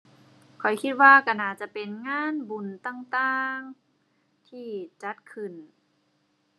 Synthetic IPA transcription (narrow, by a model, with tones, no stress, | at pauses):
kʰɔ˨˩jkʰi˧t̪̚waː˧ka˧˩naː˧˩t͡ɕa˧˨pe˨nŋaː˧˥˨nbu˨˩nt̪aː˧˨ŋt̪aː˧ŋ | t̪ʰiː˧˩t͡ɕa˧˦˥t̪̚kʰɯ˧˩n